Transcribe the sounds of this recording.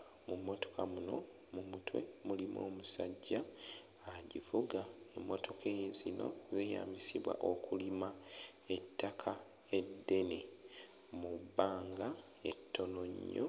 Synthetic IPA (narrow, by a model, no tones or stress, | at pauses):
mumːo̞to̞̥kamuno̞̰ | mumutwḛmulimo̞̰ːmusaɟːa | aɟifuɡae̞mːo̞tʰo̞kʰezino̞̰zeja̰ːmbisiβwa̰ʔo̞kʰulima | e̞tːakʰa | e̞dːe̞ne | mubaːŋɡa | e̞tːo̞no̞ɲːo̰